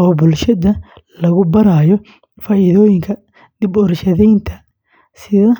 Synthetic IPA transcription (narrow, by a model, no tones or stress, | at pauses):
ɔːbʊlʃɐðɐ | lɐɣʊbɐɾaːjɔ | faːiðɔːjɪŋkʰɐ | d̪ɪbɔɾʃɐðɛjnt̪ʰɐ | sɪðɐ